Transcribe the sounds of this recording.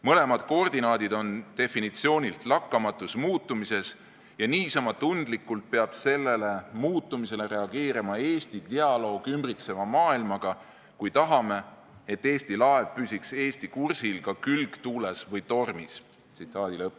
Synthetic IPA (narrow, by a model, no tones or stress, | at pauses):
mɤle̞mɑd̪̥ko̞rd̪̥inɑːd̪̥id̪o̞nt̪e̞finit̪sio̞ːnʲilt̪lɑkːɑmɑt̪ːˑusmuːt̪ːˑumise̞s | jɑniːsɑmɑt̪ːund̪̥likːˑult̪̚pe̞ɑb̥se̞lːe̞le̞muːt̪ːˑumise̞le̞ɾe̞ɑɡ̥e̞ːɾimɑe̞ːst̪it̪eɑlo̞ːɡ̥ymbrit̪se̞mɑmɑːilmɑɡ̥ɑ | kujt̪ɑɦɑme̞ | et̪ːe̞ːsʲt̪ilɑe̞vpysikse̞ːst̪ikursilkɑkylɡt̪uːlesvɤjt̪o̞rmis | t̪sit̪ːˑɑːd̪̥ilɤpː